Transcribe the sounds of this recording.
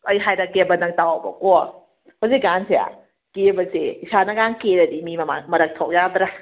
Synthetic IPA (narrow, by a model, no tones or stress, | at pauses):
ɐjɦajɾɐkebɐnɐŋtawawbɐ̰ko | hoziɡanseja̰ | kebɐseisanɐɡaŋkeɾɐdimimɐmaŋmɐɾɐk̚tʰɔwʔjad̪ɾa